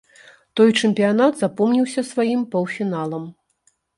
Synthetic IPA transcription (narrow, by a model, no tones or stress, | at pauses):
t̪ɔjt͡ʂɛmʲpʲijan̪ad̪zapɔmnʲiwsʲɐsvajimpɐwfʲinalˠɐm